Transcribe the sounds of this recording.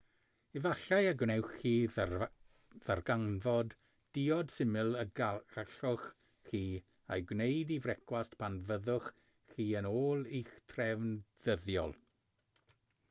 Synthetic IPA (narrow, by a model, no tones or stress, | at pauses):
ivaɬajaɡwnɛwχi | ðarɡanvɔd | d̥iɔd̥sɪmɨlˠə̥aɬʊχː | iː | ajɡwnejdivrɛkʰwastpʰanvəðʊχː | iːənoːlˠiχtʰrɛvnð̥əðjɔ̰lˠ